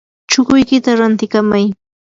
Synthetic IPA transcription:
t͡ʃʊkʊjkɪt̪aɾant̪ɪkamaj

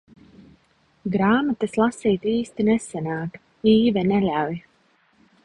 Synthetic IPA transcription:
ɡɾaːmat̪ɨslˠasiːt̪iːst̪inɛsɛnaːt̪ | iːvɛnɛlʲawj

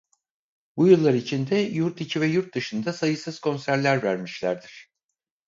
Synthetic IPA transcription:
bujɯlˠːaɾit͡ʃʰind̪ɛjuɾt̪icʰivɛjuɾt̪̚d̪ɯʃɯnd̪asajɯsɯz̥kʰo̞nsæɾlʲæɾvæɾmiʃlʲæɾd̪iɾ̝̥

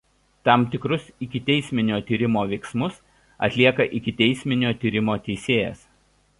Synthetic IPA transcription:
t̪ɑˑmt̪ʲɪkɾʊsɪkʲɪt̪ʲɛɪsʲmʲɪnʲoːt̪ʲiːɾʲɪmoːʋʲɛɪksmʊs | ɐ̰t̪ʲlʲiɛkɐʔɪkʲɪt̪ʲɛɪsʲmʲɪnʲoːt̪ʲiːɾʲɪmoːt̪ʲɛɪsʲeːjɛ̰s

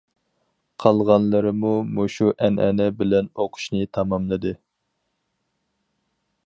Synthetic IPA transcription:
qʰɑlˠʁɑnlˠɨɾɨmumoʃuʔɛnʔɛnɛbɪlɛnoqʰʊ̥ʃnɨt̪ʰɑmɑmlˠɨd̪ɨ

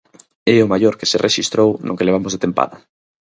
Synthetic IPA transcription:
eʊmaʎoɾkeserʔeʃist̪ɾownʔʊ̰keleβamozðet̪empa̰ðɐ

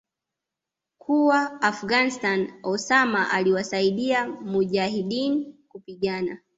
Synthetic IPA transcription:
kʰuwaːfuɡanistanɔsamaʔaliwasaiɗiamuʄaɦiɗinikupiɠana

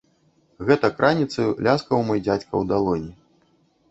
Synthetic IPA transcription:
ɣɛt̪ɐkɾʔanʲit̪sɨlʲaskɐwmɨjd͡zʲat͡sʲkɐwd̪alˠɔnʲi

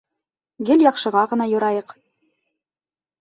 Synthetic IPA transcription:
ɡɘlʲjɑqʃɤ̆ʁɑʁɤ̆nɑjŏɾɑjɤq

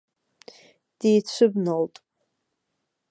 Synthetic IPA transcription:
d̥ijt͡ɕʷʰɨbnoltʼ

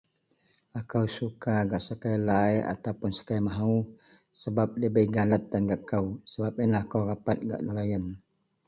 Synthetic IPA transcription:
akawsukaɡaʔsakajlaia̰t̪awpʊnsḁkajmaɦau | səbap̚dəbəiɡalat̪̚danɡaʔkawsəbap̚inlaakawrapat̪̚ɡa̰ʔdolajən

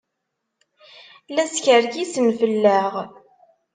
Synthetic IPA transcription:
læsçəɾɡisənfəlːəʁ

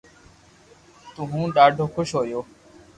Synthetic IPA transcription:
t̪ʊ̃ɦũːɖaːɖʱoːkʰʊʃɦoːjoː

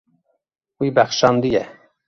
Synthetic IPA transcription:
wiːbæxʃɑnd̪ijɛ

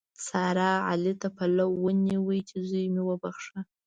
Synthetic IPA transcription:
sɑɾɑa̰lit̪apalawːəniwəjt͡ʃezujmewəbaxʂa

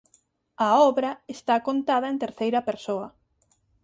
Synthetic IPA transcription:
ɐɔβɾɐest̪akont̪aðɐẽnt̪eɾθejɾɐpeɾsoɐ

